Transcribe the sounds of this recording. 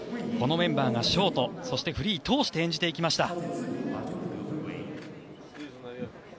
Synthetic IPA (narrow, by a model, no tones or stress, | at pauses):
ko̞no̞mẽ̞mbaːɡaɕio̞ːt̪o̞so̞ɕi̥t̪e̞ɸɯ̟ɾʲiːt̪o̞ːɕi̥t̪e̞ẽɲ̟d͡ʑi̥t̪e̞ikʲimaɕi̥t̪a